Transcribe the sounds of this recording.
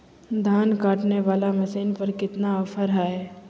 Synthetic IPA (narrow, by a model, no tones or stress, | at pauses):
d̪ʱaːnkaːʈneʋaːlamɐsiːnpɐɾkɪt̪naɐfʰəɾɦaːɛː